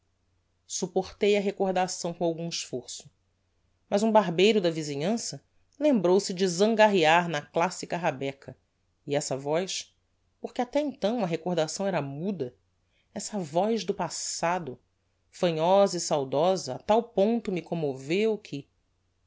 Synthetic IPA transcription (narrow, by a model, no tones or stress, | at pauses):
supoχt̪ejɐɦekoɾd̪asɐ̃w̃kõawɡũiʃfoɾsʊ̥ | mɐzũbaɦbejɾʊd̪ɐvizĩɲɐ̃sɐ | lẽmbɾowsɪd͡ʒɪzɐ̃ŋɡaɦiaɾnɐklasikɐɦabɛkʰɐ | iɛsɐvɔjʃ | poχkɪat̪ɛẽnt̪ɐ̃w̃ɐɦekoɾd̪asɐ̃w̃ɛɾɐmud̪ɐ | ɛsɐvɔjʒd̪ʊpasad̪ʊ | fɐ̃ɲɔzɐisawd̪ɔzɐːt̪awpõnt̪ʊmɪkõmovewkʰɪ